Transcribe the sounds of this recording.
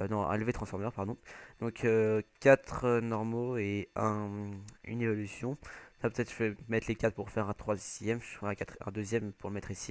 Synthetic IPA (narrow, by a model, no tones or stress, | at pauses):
nɔ̃ɛ̰̃ləvet̪χɑ̃sfɔʁmœʁpaʁd̪ɔ̃d̪̥ɔ̃kʰøkʲat̪χønɔʁmoeɛ̃ | y̰nevɔlysjɔ̃sapøt̪ɛt̪χʒəfɛmɛt̪lekat̪puʁfɛʁɛ̃t̪χwazjɛmʒɛ̃kat̪χɛ̰̃d̪øzjɛmpuʁləmɛt̪χisi